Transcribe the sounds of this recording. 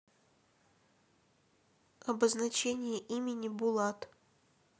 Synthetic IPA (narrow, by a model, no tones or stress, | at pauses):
ɐbəznɐt͡ɕenʲɪjəʔimʲɪnʲɪbʊlˠat̪